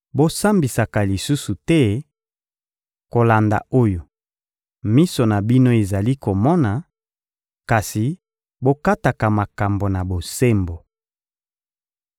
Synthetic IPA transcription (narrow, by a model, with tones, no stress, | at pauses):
bo˦sa˦mbi˨sa˨ka˨li˨su˦su˨tɛ˦ | ko˨la˨nda̰˨o˦jo˨ | mi˦so˨na˨bi˦no˦e˨za˨li˦ko˨mɔ˦na˨ | ka˨si˨ | bo˦ka˦ta˨ka˨ma˨ka˨mbo˨na˨bo˨se˦mbo˨